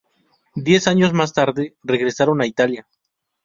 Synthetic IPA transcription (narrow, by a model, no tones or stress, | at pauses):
d̪je̞saɲo̞zmast̪aɾðe̞re̞ɣɾe̞saɾo̞nait̪alja